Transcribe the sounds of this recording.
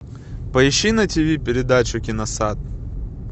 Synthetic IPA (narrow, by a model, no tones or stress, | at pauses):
pɐɪɕːinɐtʲɪvʲipʲɪɾʲɪd̪at͡ɕʊkʲɪnɐsat̪̚